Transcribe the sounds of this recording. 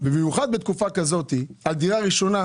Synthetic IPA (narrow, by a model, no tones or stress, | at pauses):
bemejuχad̪bet̪kufakazo̞t̪iald̪iʁaʁiʃo̞na